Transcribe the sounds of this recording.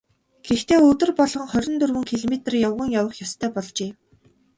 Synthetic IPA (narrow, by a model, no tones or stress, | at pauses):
ɡ̥ext̪ʰeːɵt̪ɵ̆rpɔɮʁɞ̆ŋχœɾʲɪ̆nt̪ɵrwɵ̆ŋkʰiɮɔmet̪̆rjawʁə̆ŋjawə̆χjɔst̪ʰœːpɔɮt͡ɕeː